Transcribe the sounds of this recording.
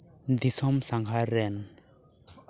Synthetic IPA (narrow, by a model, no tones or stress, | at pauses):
d̪isɔmsaŋɡʱaɾɛn